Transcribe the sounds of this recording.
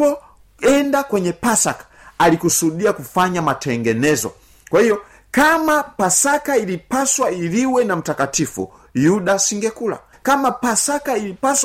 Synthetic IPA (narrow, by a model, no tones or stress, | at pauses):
ɔ | ɛndakwɛɲɛpasakḁalikusuɗiakufaɲamatʰɛŋɡɛnɛzɔ̰ | kwahijɔ | kamapasakailipaswailiwɛnam̩takatifṵ | juɗasiŋɡɛkula̰ | kamapasakailipas